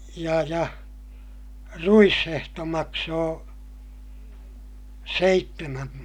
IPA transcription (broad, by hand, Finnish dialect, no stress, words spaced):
jɑ jɑ ruishehto mɑksoː seitːemæm